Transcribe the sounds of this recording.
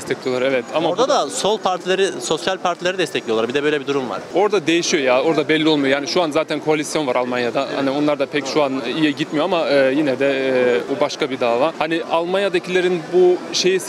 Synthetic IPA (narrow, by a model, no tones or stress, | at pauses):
d̪ɛst̪ʰɛclʲijo̞lˠaɾɛvɛt̪ʰamaoɾd̪ad̪aso̞lˠpʰaɾt̪ʰilˠaɾɯso̞sjalʲpʰaɾt̪ʰilˠaɾɯd̪ɛst̪ʰɛclʲiolˠaɾbid̪ɛbø̞jlʲɛbid̪uɾumva̰ɾ̥o̞ɾd̪ad̪e̞jiʃijo̞jao̞ɾd̪abɛlʲːio̞lˠmujojaːniʃuanzaːt̪ʰænkʰo̞alʲisjo̞nvaɾalˠmanjad̪aha̰nio̞nlˠaɾd̪apʰɛcʃuanijɛɟit̪mijo̞amaɯːjinɛd̪ɛːbubaʃkabid̪aːvaːhanialˠmanjad̪acʰilʲeɾinbuʃe̞jis